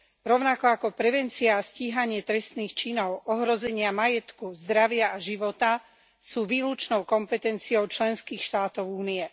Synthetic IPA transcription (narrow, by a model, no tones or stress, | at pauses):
ɾɔʊnakɔakɔpɾɛʋɛnt͡siaːsciːɦaɲɪɛt̪ɾɛst̪niːxt͡ʃinɔʊʔɔɦɾɔzɛɲɪamajɛt̪kuzd̪ɾaʋɪaaʒiʋɔt̪a | suːʋiːlut͡ʃnɔʊkɔmpɛt̪ɛnt͡siɔʊt͡ʃlɛnskiːxʃt̪aːt̪ɔʊuːniɛ